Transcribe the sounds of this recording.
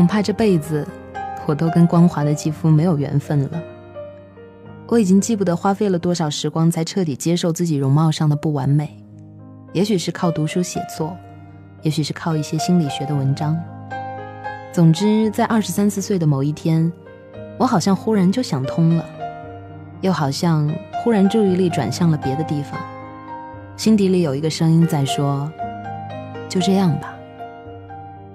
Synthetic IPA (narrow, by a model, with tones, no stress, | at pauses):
kʰʊ˨˩ŋpʰa˥˧ʈ͡ʂɤ˥˧pe˥˩ɪd͡zɹ̩˩wɔ˨˩t̪o˥ʊkə˥nkwɑ˥ŋxwa˧˥d̪ə˧t͡ɕi˥˩fu˥me˧˥ɪjo˨˩ʊɥɛ̰˧˥nfə˥˩nlə̰˩ | wɔ˧˥i˨˩t͡ɕi˥ŋt͡ɕi˥˩pu˥˩d̪ə˩xwa˥fe˥ɪlə˨t̪wɔ˥ʂɑ˨˩ʊʂɻ̩˧˥kwɑ˥ŋt͡sʰa˧˥ɪʈ͡ʂʰɤ˥˩t̪i˨˩t͡ɕjɛ˥ʂo˥˧ʊt͡sɹ̩˥˩t͡ɕi˨˩ɻʊ˧˥ŋmɑ˥˧ʊʂɑ˥˩ŋd̪ə˩pu˥˩wa˧˥nme˨˩˦ɪ | jɛ˧˥ɕy˨˩ʂɻ̩˥˧kʰɑ˥˩ʊt̪u˧˥ʂu˥ɕjɛ̰˨˩t͡sʰwɔ˥˩ | jɛ˧˥ɕy˨˩ʂɻ̩˥˩kʰɑ˥˧ʊi˥˩ɕjɛ˥ɕi˥nli˨˩ɕɥɛ˧˥d̪ə˧wə˧˥nʈ͡ʂɑ˥ŋ | t͡sʊ˨˩ŋʈ͡ʂɻ̩˥t͡sa˥˧ɪʔɐ˞˥˩ʂɻ̩˧˥sa˥nsɹ̩˥˧swe˥˩ɪd̪ə˩mo˨˩ʊi˥˩t̪ʰjɛ˥n | wɔ˧˥xɑ˨˩ʊɕjɑ˥˧ŋxu˥ɻa˧˥nt͡ɕjo˥˩ʊɕjɑ˨˩ŋt̪ʰʊ˥ŋlə˨ | jo˥˩ʊxɑ˨˩ʊɕjɑ˥˧ŋxu˥ɻa˧˥nʈ͡ʂu˥˧i˥˧li˥˩ʈ͡ʂwa̰˨˩nɕjɑ˥˩ŋlə˩pjɛ˧˥d̪ə˧t̪i˥˩fɑ̰˨˩ŋ | ɕi˥nt̪i˧˥li˧˩jo˨˩ʊi˧˥ɡə˧ʂɤ˥ŋi˥nt͡sa˥˩ɪʂwɔ˥ | t͡ɕjo˥˧ʊʈ͡ʂɤ˥˧jɑ˥˩ŋbɐ˩